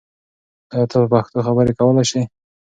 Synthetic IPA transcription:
ajɑt̪ɑsupaxt̪oxabəɾekawəlajʃaj

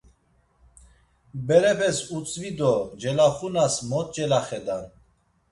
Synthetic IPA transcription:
bɛɾɛpʰɛsut͡sʼvid̪ɔd͡ʒɛlaχunasmɔt̪̚ʼd͡ʒɛlaχɛd̪an

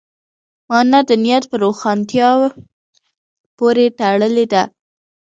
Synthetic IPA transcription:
mɑnad̪ənijat̪pəɾoxɑnt̪jɑw | poɾeʈ̪aɽəled̪a

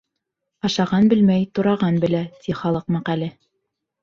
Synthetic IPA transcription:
ɑʃɑʁɑnbɘlmæjt̪ŏɾɑʁɑnbɘ̆læt̪ʰiχɑlˠɤq̚mɑqælɘ

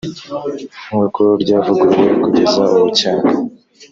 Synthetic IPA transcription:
mwekoɾɟaːvuɡuɾekuɟezauwucaːŋɡa

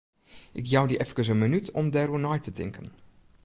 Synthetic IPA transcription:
ʔɪkjawdiʔɛfkəs̬ənmənytʰɔmdɛrunɔjtətʰɪ̰ŋkʰən

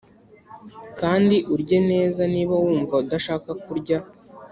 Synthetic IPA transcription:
kaːndiʔuɾɟe̞ne̞ːzaniːβawuːɱvaudaʃaːkakuɾɟa

